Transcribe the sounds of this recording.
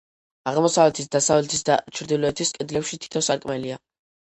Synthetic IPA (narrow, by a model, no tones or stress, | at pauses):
aʁmɔsavlɛt̪ʰisd̪asavlɛt̪ʰisd̪a̰t͡ʃʰɾd̪ilɔɛt̪ʰiskʼɛd̪lɛpʃit̪ʰi̥t̪ʰɔsaɾkʼmɛlia